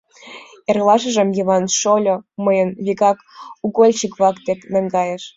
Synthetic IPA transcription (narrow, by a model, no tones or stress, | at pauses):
erlɑʃə̆ʒə̆mjiβɑnʃolʲoməjənβʲiɣɑkuɣolʲt͡ɕikβɑkt̪ek̪mæŋɡɑjeʃ